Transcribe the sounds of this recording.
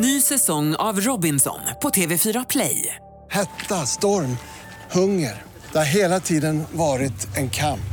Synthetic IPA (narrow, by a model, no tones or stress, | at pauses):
nyːsɛsɔŋːa̰vɾɔbɪnsɔ̰npʰɔt̪ʰeːvɛfyːɾapʰlɛ̰j | hɛt̪ːast̪ɔɾm | hɵŋːəɾ | d̪̥ɛhaɾɦeːlat̪ʰiːd̪ənvɑːɾɪt̪ɛnkʰamp